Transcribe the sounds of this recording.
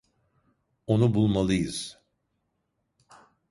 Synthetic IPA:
onubulˠmalˠɯjɯz̥

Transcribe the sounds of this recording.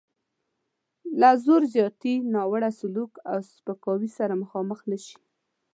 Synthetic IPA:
lazoɾzjɑt̪inɑwaɽasʊlukawspəkɑwisaɾaməxɑməxnaʃi̥

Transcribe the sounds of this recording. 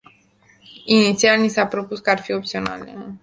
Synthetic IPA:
init̪sialnisapɾo̞puskəarfio̞p̚t̪sio̞na̰lḛ

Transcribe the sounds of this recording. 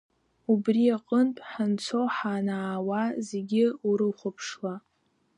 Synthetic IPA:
ubriaqʼəntʼħant͡sʰoħanaːwazeɡʲɪuɾɨχʷʊpʰʂwa

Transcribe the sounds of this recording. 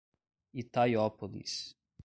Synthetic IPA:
it̪ajɔpolḭs

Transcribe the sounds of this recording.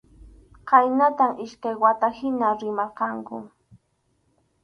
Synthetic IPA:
qɑjnat̪amɪʃkajwat̪ahɪnaɾɪmaɾqɑŋkʊ̰

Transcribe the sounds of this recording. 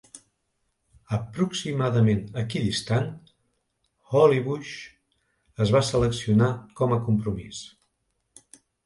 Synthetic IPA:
əpɾuksimaðəmenəkiðist̪an | xɔliβuʃ | əzβasələksiunakɔməkumpɾumis

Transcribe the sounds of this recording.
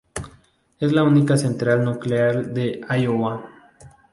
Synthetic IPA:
ezlaunikase̞nt̪ɾalnukleaɾd̪eajowa

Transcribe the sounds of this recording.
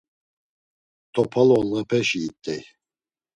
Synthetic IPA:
t̪ʰɔpʰalɔləpʰɛʃiːt̪ʼːɛj

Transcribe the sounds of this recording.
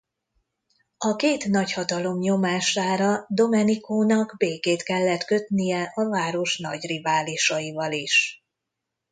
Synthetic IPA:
ɒkeːt̪nɒchɒt̪ɒlo̞mɲo̞maːʃaːɾɒd̪o̞mɛnikoːnɒɡbeːkeːt̪kɛlːɛt̪kø̞t̪nijɛʔɒvaːɾo̞ʃnɒ̰ɟrivaːliʃɒjivɒliʃ

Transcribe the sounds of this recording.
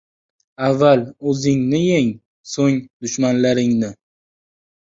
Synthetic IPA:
avːalɵzɪŋnɪeŋ | soŋd̪ʊʃmanlaɾɪŋnɪ

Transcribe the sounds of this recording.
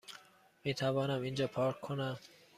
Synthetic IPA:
mit̪ʰaβɑːnamind͡ʒɔːpʰɔɾkʰːona

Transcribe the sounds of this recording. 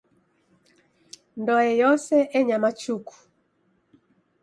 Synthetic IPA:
ndɔɛjɔsɛʔɛɲamat͡ʃuku̥

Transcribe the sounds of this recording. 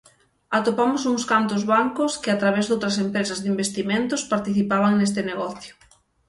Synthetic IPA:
at̪opamʊsuŋskant̪ʊzβaŋkʊskɪat̪ɾaβ̞ɛzðowt̪ɾɐs̬empɾesɐzðimbest̪imẽnt̪ʊspaɾt̪iθipaβ̞aŋnest̪ɪneɣɔθjʊ

